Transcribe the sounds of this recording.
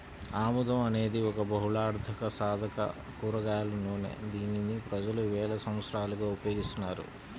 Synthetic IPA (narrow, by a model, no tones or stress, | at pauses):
aːmud̪ɐmɐne̞ːd̪iɔkɐbɐɦuɭaːɾd̪ʰʱɐkɐsaːd̪ʱɐkɐ̰ | kuːɾɐɡaːlɐnuːnḛd̪iːninipɾɐd͡ʒɐluʋɛːlɐsɐ̃m̃ɐt̪sɾaːlɐɡaːupɐjoːɡist̪unːaːɾṵ